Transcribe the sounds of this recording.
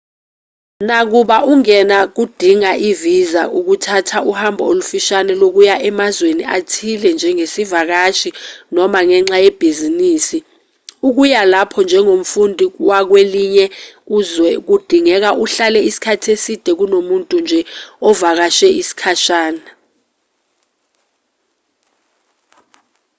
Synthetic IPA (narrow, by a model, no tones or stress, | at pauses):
nak̬uɓaʔuŋɛnak̬ud̥ʱiŋaʔivizaʔuk̬utʰatʰaʔuhambʱɔolufiʃanɛlok̬ujaʔɛmazweniatʰilɛnd͡ʒʱɛŋesivak̬aʃinɔmaŋɛŋ͡ǁajɛb̥ʱiziniːsi | uk̬ujalapʰɔnd͡ʒʱɛŋom̩fundʱiwak̬weliɲɛuzwɛk̬ud̥ʱiŋɛk̬aʔuɬalɛisi̥kʰatʰesid̥ʱɛk̬unomuntʼund͡ʒʱɛɔvak̬aʃɛisi̥kʰaʃaːna